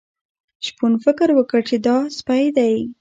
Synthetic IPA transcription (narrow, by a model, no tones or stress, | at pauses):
ʃpunfɪkɪɾwəkəɽt͡ʃed̪ɑspajd̪aj